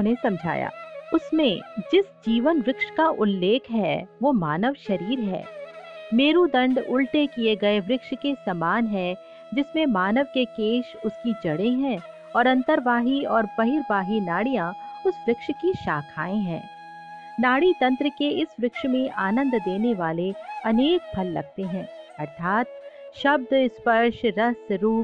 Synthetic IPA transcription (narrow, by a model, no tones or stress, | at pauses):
nesɐ̃md͡ʒʱa̰ːja̰ːʊsmḛ̃d͡ʒɪsd͡ʒiːʋənʋɾɪkʃkaʔʊlːeːkʰɦɛʋomaːnəʋʃɐɾiːɾɦɛ̰ːmeːɾud̪ɐ̃ɳɖʊlʈekieɡɐeʋɾɪkʃkesɐmaːnɦɛ | d͡ʒɪsmẽmaːnəʋkekeːʃʊskid͡ʒɐɽẽɦɛ̃ː | ɔːɾɐ̃nt̪əɾʋaːɦiɔːɾbɐɦɪɾbaːɦinaːɽijãʊsʋɾɪkʃkiʃaːkʰaːẽɦɛ̰̃ː | naːɽit̪ɐ̃nt̪ɾəkeɪsʋɾɪkʃmẽʔaːnə̃nd̪d̪eːneʋaːleɐneːk̚bʱɐlːɐ̰ɡ̚t̪eɦɛ̃ːɐɾt̪ʰaːt̪̚ʃɐb̚d̪ɪspɐɾʃɾɐsɾuːp